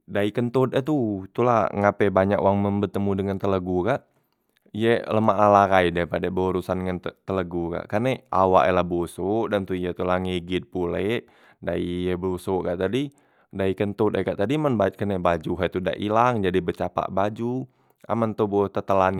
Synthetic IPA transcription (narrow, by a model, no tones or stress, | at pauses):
daikənt̪ot̪ət̪ut̪ulaŋapɛbaɲakoaŋmənbərt̪əmudəŋant̪ələɡukaʔ | ijələmaʔalakaidaipadabəuɾusandəŋant̪ələɡuka̰ʔkərnea̰wa̰ʔelahbosoʔdant̪uijət̪ulahŋiɡɪt̪̚pulɛʔ | daiəbusoʔkaʔt̪adi | daikənt̪ɔt̪əkaʔt̪adimanbakənebad͡ʒuɦat̪uda̰ʔilaŋd͡ʒadibət͡ʃapa̰ʔbad͡ʒu | a̰mant̪obot̪ət̪əlan